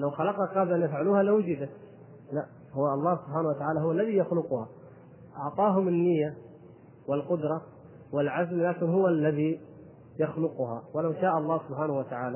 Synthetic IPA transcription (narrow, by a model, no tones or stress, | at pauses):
lawxalɑqɑqɑːblʔanjafʕaluːhalawʊd͡ʒɪd̪a | laʔ | hʊwːaʔɑlˤːɑːhsʊbħaːnawat̪aʕaːlaɦʊwalːaðijaxlʊqʊha | ʔɑʕt̪ˤɑːɦʊmɪnːɪjːa | wɪlqʊd̪ɾˤɑ | wɪlʕazmlaːkɪnɦʊwːalːaði | jaxlʊqʊha̰wɪlawʃaːʔɑlˤːɑːhsʊbħaːnahʊwat̪aʕaːla